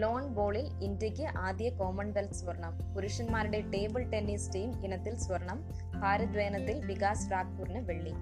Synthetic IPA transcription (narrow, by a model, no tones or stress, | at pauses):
loːnboːɭɪlɪndrɐkːɐʔaːðɪjɐkoːmɐɳbɐlsʋɐɾɐɳɐmpʊɾɪʂɐnmaːɾɪɽɐʈeːbɯlʈɛnːiːsʈiːmɪnɐt̪ːɪlsʋɐɾɐɳɐm | paːɾɪd̪ɾeːnɐt̪ːɪlʋɪkaːsɾaːk̚puɾnɐʋɛɭːi